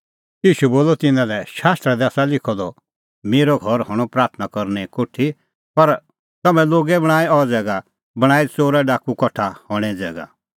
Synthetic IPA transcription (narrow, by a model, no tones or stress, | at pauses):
iːʃuboːlɔt̪ɪnãlɛʃaːst̪ɾɛd̪ɛːsalɪkʰɔd̪ɔ | meːɾɔɡʱɔɾɦɔɽ̃ɔ̃pɾaːɾt̪ʰnakɔɾnɛkoʈʰːi | pɐɾ | t̪ɐmɛ̃loːɡɛbɐɽ̃aːɛɔd͡zɛːɡa | bɐɽ̃aːit͡soːɾɛɖaːkukɔʈʰahɔɽ̃ɛ̃d͡zɛːɡa̰